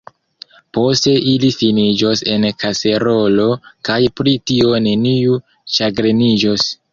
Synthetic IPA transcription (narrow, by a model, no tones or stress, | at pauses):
po̞ste̞ʔilifinid͡ʒo̞se̞nkase̞ɾo̞lo̞kajpɾitio̞ne̞niu | ʃaɡɾenid͡ʒos